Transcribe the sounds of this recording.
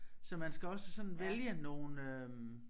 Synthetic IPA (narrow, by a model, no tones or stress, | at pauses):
sɒ̽mænsɡ̥æɒ̽səsɒ̽nn̩ʋeljəno̝ːnøm